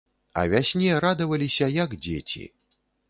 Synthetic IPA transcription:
ɐ̰vʲasʲnʲɛjɛɾad̪ɐvɐlʲisʲɐjɐɡd͡zʲet͡sʲḭ

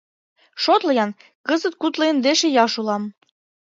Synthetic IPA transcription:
ʃot̪lɤ̆jɑn | kəzət̪̚kut̪lejə̆nd̪eʃejɑʃulɑm

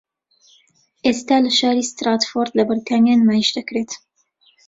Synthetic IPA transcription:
ʔest̪aːlɐʃaːɾiːst̪ɾat̪foɾd̪lɐbɨɾt̪ʰaːnjaːnmaːiʃd̪ɐkɾet̪

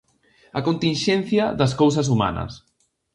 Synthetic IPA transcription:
ɐkont̪inʃɛnθjɐðɐskowsɐs̬uma̰nɐ̰s

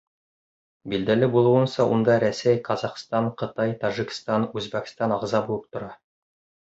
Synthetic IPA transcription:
bild̪ælɘbulˠɤ̆wɤ̆nsɑʔund̪ɑɾæsæjqʰɑzɑqst̪ɑɴqɤ̆t̪ɑjt̪ɑʒikst̪ɑnʉzbæk̆st̪ɑnɑʁzɑbulˠɤp̚t̪ŏɾɑ

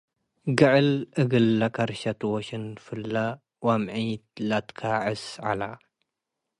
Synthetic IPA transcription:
ɡɨʕɨlʔɨɡɨlːakʰaɾʃɐt̪ʰwoʃɨnfɨlːa | wamʕijt̪lat̪kʰaʕɨsʕa̰la

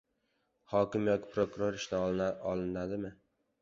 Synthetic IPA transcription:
hɒkʲɪmjɒkʲʰɪ̥pʰɾokʊɾoɾɪʃnaɒlˠɪnad̪ɪmɪ

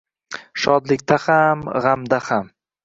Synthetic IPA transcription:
ʃɒd̪lɪkʲt̪ʰahamʁamd̪aham

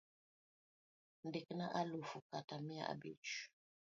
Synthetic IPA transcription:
ndiknaʔalufukatamia̰a̰bḭt͡ʃ

